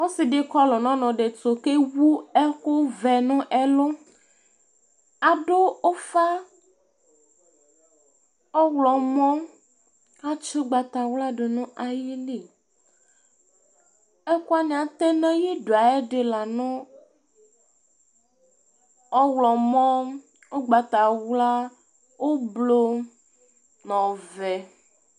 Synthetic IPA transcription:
wo˦si˨ɖe˨kɔ˦lɔ˨nɔ̃˦nɔ̃˨ɖe˨to˨ke˦wu˦ɛ˦xo˦vɛ˨nũ˦ʔɛ˦lo˦ | a˨ɖo˦o˦fa˦ | ɔ˦wlɔ˨mɔ̃˦ | a˦t͡ʃo˦ɡ͡ba˨t̪a˨wla˦ɖo˨nũ˦ʔa˨ji˦li˨ | ɛ˦ku˦a˦ɲĩ˨ã˨t̪ɛ˦nɛ̃˦ji˦ɖo˨a˨e˦ɖe˨la˨nũ˦ | ɔ˦wlɔ˨mɔ̃˦ | o˦ɡ͡ba˨t̪a˨wla˦ | wo˦blo˦ | nɔ̃˨vɛ˨

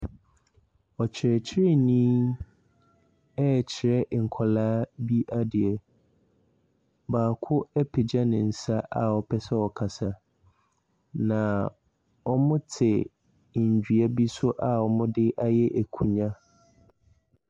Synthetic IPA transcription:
ɔ˨t͡ɕʰɪ˨ɾɛ˨t͡ɕʰɪ˦ɾɪ˦nĩː˦ | ɛ˦˨t͡ɕʰɪ˨ɾɛ˦ʔŋ̩˨kʰɔ˨laː˦bi˦ʔa˦dɪ˨ɛ˨ | baː˨kʰʊ˦ɛ˦pʰɪ˨d͡ʑa˦nɪ̃˨n̩˨sa˦ʔa˨ɔ˨pʰɛ˦sɛ˦ɔ˨kʰa˨sa˨ | nã˨ | ɔ˦mʊ̃˦tʰɪ˨ | ɲ̩˨d͡ʑᶣɥa˦bi˦sʊ˦ʔa˨ɔ˨mʊ̃˦dɪ˦ʔa˦jɛ˦ʔæ˨kʰũ˨ɲã˦

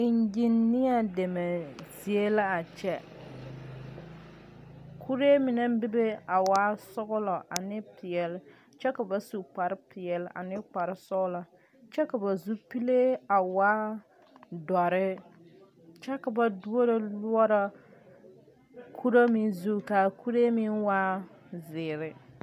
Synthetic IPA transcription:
ɪ˨ɲd͡ʒi˦nːɪ˦a˦de˨me˨zi˨e˦la˦a˨t͡ʃɛ˦ | kʰu˦ɾe˦mi˨na˦m˦bi˦be˦a˨wa˦sʊ˦ɣʊ˦lɔ˨ʔa˨nɪ˦pɪ˨ɛ˨l | t͡ʃɛ˦ka˨ba˨su˨k͡pa˨ɾɪ˦pʰɪ˨ɛ˨la̰˨nɪ˦k͡pa˨ɾɪ˦sʊ˦ɡʊ˦la˨ | t͡ʃɛ˦ka˨ba˨zu˦pi˦le˦a˨waː˦ | dɔ˨ɾɪ˦ | t͡ʃɛ˦ka˨ba˨du˦o˦ɾe˦lu˦ɔ˦ɾa˦ | kʰu˦ɾa˦mi˦zu˦ka˨ku˦ɾe˦mi˦nwa˦ | zɪː˨ɾɪ˨

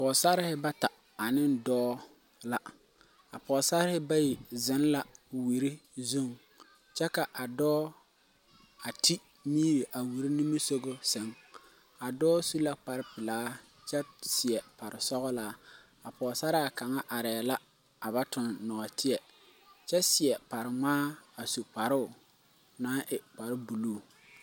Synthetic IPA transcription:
pɔ˨sa˦ɾɪ˦hɪ˦ba˦ta˨ | a˨nɪ˦ndɔː˦ | la˦ | a˨pɔ˨sa˦ɾɪ˦hɪ˦ba˦ji˨zɪ˨˦n˦la˦wi˨ɾi˦zu˦˨ŋ | t͡ʃɛ˦ka˨ʔa˨dɔː˦ | a˨ti˦ | miː˦ɾi˨ʔa˨wi˨ɾi˦ni˦mi˦so˦ɡo˦sɛ˨˦ŋ | a˨dɔː˦su˦la˦k͡pa˨ɾɪ˦pɪ˨laː˦ | t͡ʃɛ˦sɪ˨ɛ˨pa˨ɾɪ˨sɔ˦ɣɔ˦laː˦ | a˨pɔː˨sa˦ɾa˦˨ka˨ŋa˦ʔa˨ɾɛː˨la˦ | a˨βa˦tʊ˨nːɔ˨ɔ˨tɪ˦ɛ˨ | t͡ʃɛ˦sɪ˨ɛ˨pa˨ɾɪ˨ŋ͡maː˦a˨su˨k͡pa˨ɾʊ˦ʊ˨ | naː˨˦ʔɪ˨k͡pa˨ɾɪ˦bu˨luː˦˨

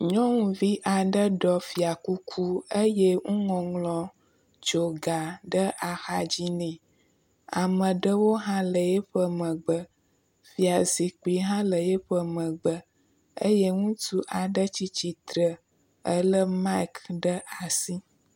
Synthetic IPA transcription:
ɲɔ̃˦ŋũ˨vi˦ʔa˨ɖə˦ɖɔ˨fi˨a˨ku˦kʰu˦ə˦je˦ŋũ˦ŋɔ̃˨ŋlɔ̃˨ | t͡ʃo˨ɡa˨ɖə˦ʔa˨xa˦d͡ʑi˦nɛ̃˨ | a̰˨mə̃˨ɖə˦wo˦ɦã˦lə˨je˦ɸə˦mə̃˨ɡ͡bə˦ | fi˨a˨zi˨k͡pi˨ɦã˦lə˨jɛ˦ɸə˦mə̃˨ɡ͡bə˦ | ə̰˦je˦ŋũ˦t̪u˦ʔa˨ɖə˦t͡ɕi˦t͡ɕi˦t̪ɾə˨ | ə˦lə˦ma˦kɖə˦a˨si˦

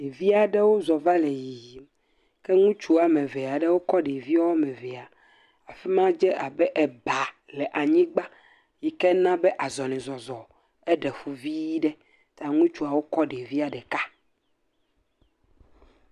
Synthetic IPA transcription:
e˨vi˦a˨ɖɛ˦wo˦zɔ˨va˦le˨ji˨i˨ | kɛ˦ŋũ˦t͡ʃu˦a˨mɛ̃˨vɛ˨a˨ɖe˦wo˦kɔ˦ɖe˨vi˦ɔ˦a˦mɛ˨vɛ˨a˨ | a˨fi˦mã˦d͡ʒɛ˦a˨bɛ˦ʔɛ˨ba˨ | lɛ˨ʔa˨ɲĩ˦ɡ͡ba˦ | ji˨kɛ˦nã˦bɛ˦ʔa˨zɔ˨nĩ˨zɔ˨zɔ˨ | ɛ˦ɖɛ˨ɸu˨vi˦ɖɛ˦ | t̪a˨ŋũ˦t͡ʃu˦a˨wo˦kɔ˦ɖe˨vi˦a˨ɖɛ˨ka˦

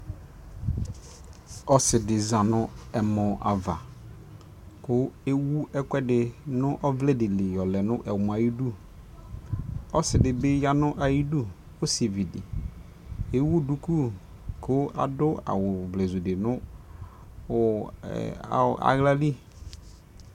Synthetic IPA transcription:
ɔ˦sɪ˨dɪ˨zã˨nʊ̃˦ɛ˨mɔ̃˨ʔa̰˨va˨ | kʊ˦e˦wu˦ɛ˦kʷɛ˦dɪ˨nʊ̃˦ʔɔ˦vlɛ˦dɪ˨le˨jɔ˨lɛ˨nʊ̃˦ʔɛ˨wm˨a˨ji˦du˦˨ | ɔ˦sɪ˨dɪ˨bɪ˦ja˦nʊ̃˦ʔa˨ji˦du˦ | o˦se˨vi˨dɪ˨ | e˦wu˦du˨˦ku˦ | kʰʊ˦a̰˨dʊ˦a̰˨wʊ˨vlɛ˨zu˨dɪ˨nʊ̃˦˨ | a̰˨ɣla˦li˦

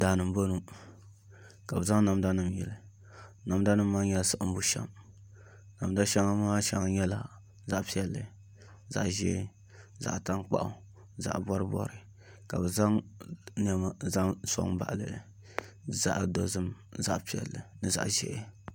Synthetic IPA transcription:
daː˨nɨ˨m˦bo˦nu˦ | ka˨bɨ˨za˦ŋna˨mda˦nɨ˨mjɛ̰˨lɨ˨ | na˨m˦da˦nɨ˦mː˦a˦ŋjɛ˦lsɨ˦ʔm̩˦bu˦ʃɛ̰˦m | na˨m˦da˦ʃɛ˦ŋa˦ma˦ʃɛ˦ŋa˦ɲɛ˦la̰˨ | za˨ʔpi˦ɛ˨lːɨ˨ | za̰˨ʔʒḛ˦ | za̰˨ʔta˦ŋk͡pa̰˦ʔʊ̰˦ | za̰˨ʔbɔ˦ɾɨ˦bɔ̰˦ɾɨ˨ | ka˨bɨ˨za˦ŋn˦ɛ˦ma˦za˦ŋso̰˦ŋba̰˨ʔlɨ̰˨ | za̰˦ʔdo˦zɨ˦mza̰˦ʔpi˨˦ɛ̰˨lːɨ̰˨nɨ˨za̰˨ʔʒɛ̰˦ɪ˦

